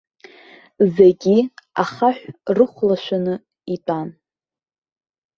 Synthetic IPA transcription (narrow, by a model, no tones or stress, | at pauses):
zeɡʲia̰χaħᶣʷrɨχʷlaʃʷᶣanɨ | itʷʼan